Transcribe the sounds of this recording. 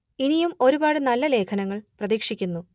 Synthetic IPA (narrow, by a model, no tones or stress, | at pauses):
inijumo̞ɾubaːɽɨnɐlːɐle̞ːkʰɐnɐŋːɐɭprɐðiːkʂikʲːunːu